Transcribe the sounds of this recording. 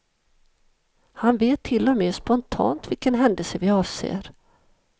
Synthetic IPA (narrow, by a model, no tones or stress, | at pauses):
hanveːt̪ʰːɪlːɔmeːspɔnt̪ʰɑ̰ːnt̪vɪlkənɦɛnd̪əlsəvɪɑːvsḛːɾ